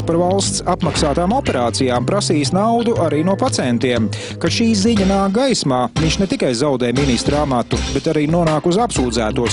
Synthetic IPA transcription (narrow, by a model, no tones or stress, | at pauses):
spaɾvalˠst̪sapmaksaːt̪aːmɔpɛɾaːt̪sijaːmpɾasiːsnawd̪uʔaɾiːnuɔpat̪sɛnt̪iɛm | kaʃiːziɲanaːk̚ɡajsmaːviɲʲʃnɛt̪ikajzawd̪ɛːjminist̪ɾamat̪ubɛt̪aɾiːnuɔnaːkuzapsuːd̪zæːt̪uɔs